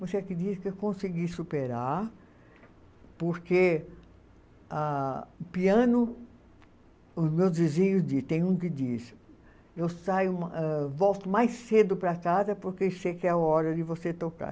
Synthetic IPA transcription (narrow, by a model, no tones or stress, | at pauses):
voseɛkɪd͡ʒiskɪewkõsiɡisupeɾaɾ | poɾke | apiɐ̃nʊ | ʊzmewzdizĩɲʊzd͡ʒist̪ẽj̃ũkɪd͡ʒis | ewsajʊmɛvɔwt̪ʊmajsed̪ʊpɾɐkazɐpoɾkesejkɪɛaɔɾɐd̪ɪvoset̪oka̰